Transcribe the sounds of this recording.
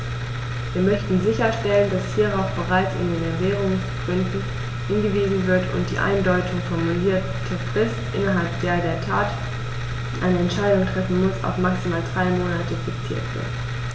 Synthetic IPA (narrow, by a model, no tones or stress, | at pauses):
viːɐmœçtn̩zɪçɐʃtɛləndashiːʁaʊfb̥əʁaɪt͡sɪ̰ndeːnɛveːʁʊŋsɡ̥ʁʏndn̩ | hɪnɡəviːzn̩vɪɐtʊ̰nt̚d̥ḭːʔa̰ɪndɔʏtʰʊŋfɔɐmuliːɐ | tʰəʁ̥ɪstʔɪnɐɦalpd̥eːɐdeːɐtʰaːtː | ʔaɪnəɛntʃaɪdʊŋtʁ̥ɛfn̩mʊsa̰ʊfmaksimaːldʁaɪmoːnatəfɪkt͡sḭːɐtv̥ɪ̰ɐt